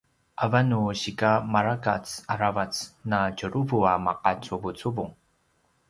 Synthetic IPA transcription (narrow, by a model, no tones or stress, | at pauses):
ʔavanuɕikamaɾakat͡saɾavat͡snacuɾuvuamaqat͡suvut͡suvuŋ